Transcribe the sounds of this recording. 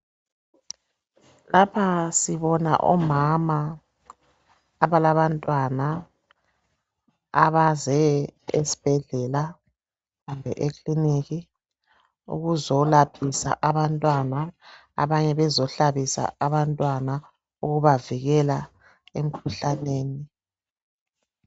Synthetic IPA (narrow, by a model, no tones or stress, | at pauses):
lapʰasiβɔna̰ʔɔ̰mama | βalaβantʼwana | aβazɛḛsi̥b̥ʱɛɮɛla | ɣumbʱɛ̰ʔekʼliniɣi | ṵɣuzɔlapʰisa̰ʔaβantʼwana | a̰βaɲɛβɛzɔɬaβisa̰aβantʼwana | uɣuβaviɣɛla | em̩kʰuɬaneːni